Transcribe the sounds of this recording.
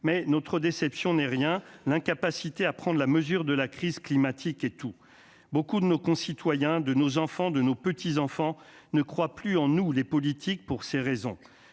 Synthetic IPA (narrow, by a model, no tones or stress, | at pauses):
mɛnɔt̪χəd̪esɛpsjɔ̃nɛʁjɛ̃lɛ̃kapasit̪eapχɑ̃d̪ʁlaməzyʁd̪əlakχizklimat̪ʰikɛt̪u | bokud̪ənokɔ̃sit̪wajɛ̃d̪ənozɑ̃fɑ̃d̪ənopət̪ʰizɑ̃fɑ̃ | nəkχwaplyɑ̃nulepɔlit̪ʰik̚puʁseʁezɔ̰̃